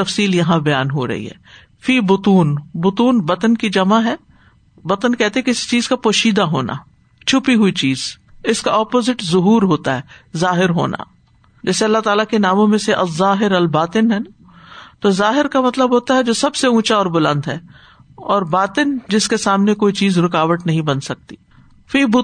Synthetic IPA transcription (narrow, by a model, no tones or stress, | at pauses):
t̪ɐfsiːljɐɦãbɐjaːnɦo̰ɾɐ̰ɦḭɦɛ̰ː | fiːbʊt̪uːnbʊt̪uːnbɐt̪ənkid͡ʒɐmaɦɛː | bɐt̪ənkɛɦt̪eɦɛkeɪst͡ʃiːzkapoːʃiːd̪aɦoːna̰ː | t͡ʃʰʊpiɦʊit͡ʃiːz̥ | ɪskaɔːpoːzɪʈzʊɦuːɾɦoːt̪aɦɛːzaːɦɪɾɦo̰ːnʔa̰ː | d͡ʒɛːseɐlːaɦt̪aːlakenaːmõmẽseʔɐzːaːɦɪɾɐlbaːt̪ɪnɦɛːna | t̪ozaːɦɪɾkamɐt̪ləbɦoːt̪aɦɛd͡ʒoːsɐbseũːt͡ʃaɔːɾbʊlə̃nd̪ɦɛː | ɔːɾbaːt̪ɪnd͡ʒɪskesaːmnekoːit͡ʃiːzɾʊkaːʋəʈnɐɦĩbɐnsɐk̚t̪i̥ː | fiːbʊ